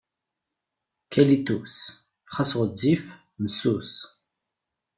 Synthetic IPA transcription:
kɛlit̪us | χasʁəd͡zif | msus

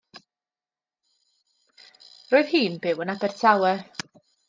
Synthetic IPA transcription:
roːɨðhiːnbɪwənabɛrtʰawɛ

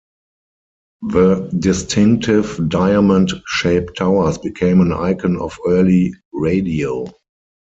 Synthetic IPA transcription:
ðədɪstʰɪ̃ŋk̚tʰɪvdaɪamə̃ntʃeɪptʰaʊə˞sbikʰẽɪ̃mə̃na̰ɪkʰə̃nɔ̰fɜːliɹeɪdioʊ

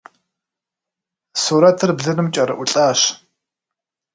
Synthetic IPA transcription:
suːɾɐtʰɨrbɮɨnɨmt͡ʃʼɐɾɐ̰ʔʷʊɬʼaːɕ

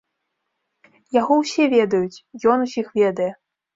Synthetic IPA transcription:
jaɣɔwsʲɛvʲɛd̪ɐjut͡sʲjɔnusʲixvʲɛd̪ɐjɛ

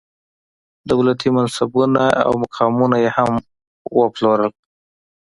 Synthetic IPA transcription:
d̪awlat̪ʰimansabunaʔa̰wmakʰɑmunajeham | wəploɾəl

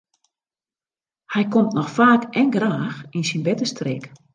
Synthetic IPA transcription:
hɛjkomtnɔxfaːkʔɛŋɡraːxinsinbɛtəstreːk

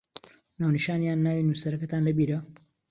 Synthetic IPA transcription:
naːwniʃaːnjaːnːaːwinusɐɾɐkɐt̪aːnlɐbiːɾɐ

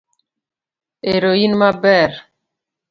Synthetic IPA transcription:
eɾoinmabɛɾ

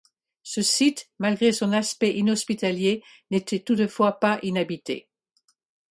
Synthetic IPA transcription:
səsit̪malɡʁesɔ̃naspɛʔinɔspit̪alje | net̪ɛt̪ut̪əfwapaʔinabit̪ḛ

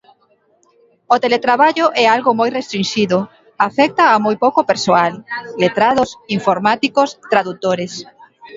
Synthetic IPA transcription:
ot̪elet̪ɾaβaʎʊʔɛalɣʊmojrest̪ɾinʃiðʊ | afɛk̚t̪aːmojpowkopeɾsoalːet̪ɾaðosiɱfoɾmat̪ikost̪ɾaðut̪oɾes

